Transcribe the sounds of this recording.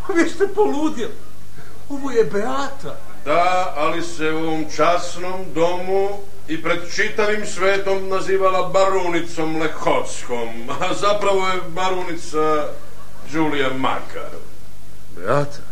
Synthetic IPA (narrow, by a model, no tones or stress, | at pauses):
oʋjest̪epoluːd̪il | oʋojebeaːt̪a | d̪aː | liseuo̞ʋomt͡ʃasnomd̪o̞mu | ipɾe̞d̪t͡ʃit̪aʋimsʋe̞ːt̪o̞mnaziːʋalabaɾunit̪so̞mlekot̪sko̞m | azapɾaʋo̞jebaɾunit̪sa | d͡ʒuːlijama̰kʰa̰ɾ | bḛat̪ʰḁ